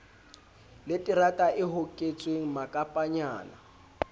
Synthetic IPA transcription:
letʼiratʼaʔɪɦʊkʼet͡sʼweŋ̩makʼapʼaɲaːna̰

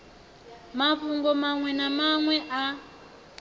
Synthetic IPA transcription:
maɸuŋɡɔmaŋwɛnamaŋwɛʔa

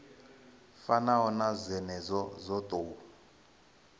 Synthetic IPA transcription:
fanaɦɔnazʷɛnɛzɔzɔtʼoːu

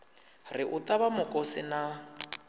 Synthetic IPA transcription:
rɪʔʊt̪ʼaβamʊkʼɔsɪna

